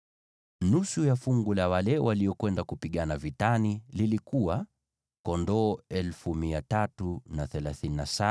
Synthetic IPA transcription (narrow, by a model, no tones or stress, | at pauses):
nusujafuŋɡulawalɛwaliɔkwɛndakupiɠanavitanililikuwa | kɔndɔːɛlfumiatatunaθɛlaθininasa